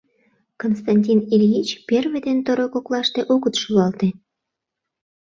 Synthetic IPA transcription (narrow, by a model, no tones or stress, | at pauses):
konst̪ɑnʲtʲinilʲjit͡ɕperβed̪ent̪oɾokoklɑʃt̪eʔoɣət̪ʃuɑlt̪e